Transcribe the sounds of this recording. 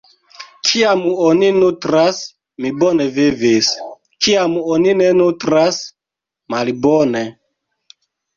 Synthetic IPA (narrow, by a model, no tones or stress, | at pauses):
kʰiamoninutɾas | mibonevivis | kiamoninenutɾas | malbone